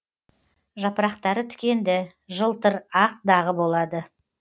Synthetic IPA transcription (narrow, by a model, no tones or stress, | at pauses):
ʒɑpəɾɑqt̪ɑɾət̪ʰʏ̥kʲe̞nd̪ɪ | ʒəlˠt̪əɾɑqd̪ɑʁəbo̞lˠɑd̪ə